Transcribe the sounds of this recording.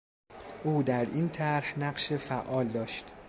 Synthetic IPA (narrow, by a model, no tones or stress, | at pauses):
ʔuːd̪æɾint̪ʰæɾhnæɢʃefæʔɒːld̪ɒːʃt̪